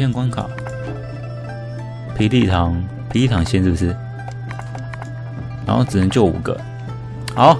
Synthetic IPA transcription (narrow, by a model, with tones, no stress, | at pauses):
ɛ˥˨nkwa˥nkʰɑ̰˨˩˦ | pʰi˧˥ɪli˥˩t̪ʰɑ˧˥˦ŋ | pʰe˧˥i˥˩t̪ʰɑ˧˥ŋɕɛ˥nt͡su˥˩s̩ʰ˥ | ɻa˧˥nxo˥˩ʊt͡sɹ̩˨˩nə˧˥t͡ɕjo˥˩ʊṵ˨˩ɡə̰˧˦ | xɑ˧˥˦ʊ